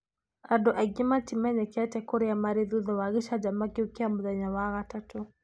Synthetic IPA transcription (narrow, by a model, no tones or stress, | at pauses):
adɔʔaɡimatimaɲɛkatɛkɔɾijamaɾiðuðɔwaɣiʃad͡ʒamakiukiamuðaɲawaɣatatu